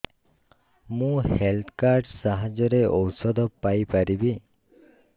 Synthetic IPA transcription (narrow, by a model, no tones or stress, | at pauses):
mũhelt̪ʰkaɾɖsaɦad͡ʒɔɾeʔɔwsɔd̪ɔpːajpaɾibi